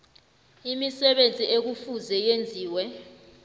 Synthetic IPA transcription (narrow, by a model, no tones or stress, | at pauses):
imisɛɓend͡zʱʼiʔek̬ufuzɛjend͡zʱiːwɛ